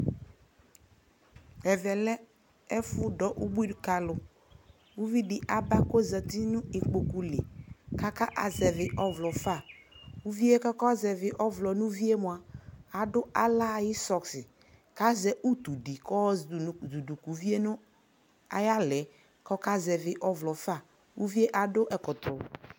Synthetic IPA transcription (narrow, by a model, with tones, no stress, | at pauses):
ɛ˨vɛ˨lɛ˦ | ɛ˦fʊ˦dɔ˦ʔu˦bi˦dʊ˦ka˨lʊ˨ | u˦vi˦dɪ˨ʔa˨ba˦ko˦za˨t̪i˦nʊ̃˦ɪ˨k͡po˨ku˨le˨ka˦ka˦ʔa̰˨zɛ˨vɪ˨ʔɔ˦vlɔ˨fa˦˨u˦vi˦e˦kɔ˦kɔ˦zɛ˨vɪ˨ʔɔ˦vlɔ˨nʊ̃˦vi˦e˦mʊ˨a˨a˨dʊ˦a˦la˦˨jɪ˦sɔ˨ksɪ˨ | ka˦zɛ˦ʔu˦t̪u˨di˨kɔ˦˨du˨du˨ku˨vi˦e˦nʊ̃˦ | a˨ja˦lɛ˨˦ | kɔ˦ka˦zɛ˨vɪ˨ʔɔ˦vlɔ˨fa˦˨ | wu˦vi˦e˦ʔa˨dʊ˦ʔɛ˨kɔ˨t̪ɾʊ˨